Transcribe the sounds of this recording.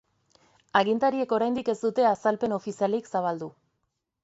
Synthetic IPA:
aɣint̪aɾie̞ko̞ɾajnd̪ike̞zd̪ut̪e̞asalpe̞no̞fisialiksaβ̞ald̪u

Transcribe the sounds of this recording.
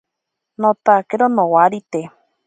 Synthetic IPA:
not̪akeɾonowaɾit̪e

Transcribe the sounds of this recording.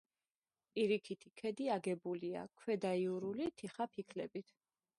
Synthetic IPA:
pʼiɾikʰit̪ʰikʰɛd̪iaɡɛbulia̰kʰwɛd̪aiuɾulit̪ʰiχapʰikʰlɛbit̪ʰ

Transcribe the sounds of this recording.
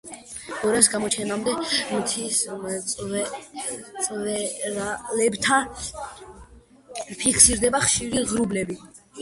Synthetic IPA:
ɔɾas̬ɡamɔt͡ʃʰɛnamd̪ɛmt̪ʰisʼ | sʼvɛɾalɛbt̪ʰa | pʰikʰsiɾd̪ɛbaχʃiɾiʁɾublɛbi

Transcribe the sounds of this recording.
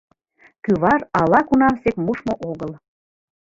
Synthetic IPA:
kyβɑɾɑlɑkunɑmsekmuʃmoʔoɣəl

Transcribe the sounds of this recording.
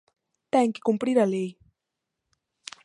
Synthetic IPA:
t̪aŋkɪ̥kʊmpɾɪɾalej

